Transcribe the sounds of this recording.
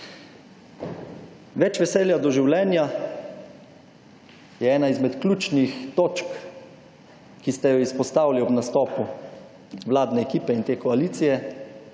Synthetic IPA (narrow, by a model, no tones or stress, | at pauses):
ʋɛt͡ʃʋɛsɛːljad̪ɔʒiwlɛːnja | jɛɛːnaizmɛt̪klʲuːt͡ʃnixt̪oːt͡ʃk | kist̪ɛjɔispɔst̪aːwliɔbnast̪ɔːpu | wlaːd̪nɛːkiːpɛint̪eːkɔaliːt̪sijɛ